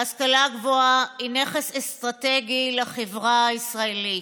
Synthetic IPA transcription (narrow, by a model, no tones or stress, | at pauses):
askalaɡvoaineχesest̪ʁateɡileχevʁaisʁaeli